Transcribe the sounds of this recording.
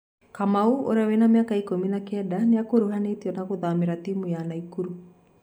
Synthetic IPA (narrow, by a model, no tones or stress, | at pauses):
kamauo̰ɾawenamjakaikominakɛdaneakoɾoɦanetiɔnaɣoðameɾatimujanaikuɾu